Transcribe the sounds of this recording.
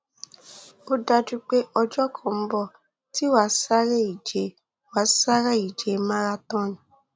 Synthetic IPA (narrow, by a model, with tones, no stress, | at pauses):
o˦da˧d͡ʒu˦k͡pe˦ʔɔ˧d͡ʒɔ˦kʰɔ̃˦˨m̩˦bɔ˦˨ | ti˦wa˦sa˦ɾe˦i˨d͡ʒe˨˦ | wa˨˦sa˦ɾa˦˨i˨d͡ʒe˨mã˦ɾa˧tɔ̃˦nĩ˨